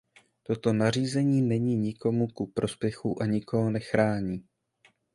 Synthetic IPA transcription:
t̪o̞t̪o̞nar̝iːzɛɲiːnɛɲiːɲɪko̞mukupɾʔo̞spjɛxuʔaɲɪkoɦonɛxɾaːɲiː

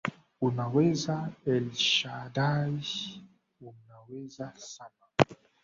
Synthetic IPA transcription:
unawɛzaɛlʃadai | unawɛzasana

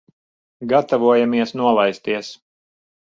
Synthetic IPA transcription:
ɡat̪avuɔjamiɛsnuɔlˠajst̪iɛs

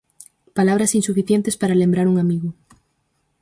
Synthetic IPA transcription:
palaβ̞ɾasinsufiθje̞nt̪e̞spaɾalembɾaɾuŋamiɣo

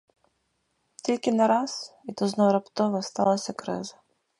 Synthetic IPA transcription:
t̪ʲilʲkɪnɐɾɑsit̪ɔznɔɾɐpt̪ɔʋɐst̪ɑlˠɐsʲɐkɾɪ̰zɐ

